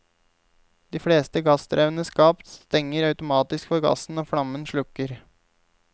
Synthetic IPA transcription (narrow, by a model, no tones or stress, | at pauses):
d̪̥iːfɽeːst̪əɡɑst̪ɾœʉnəskɑːpt̪st̪ɛŋːəɾɑʉt̪ʊmɑːt̪ɪskfɔɾɡɑ̰sn̩oːfɽɑmənʂɭʉkːəɾ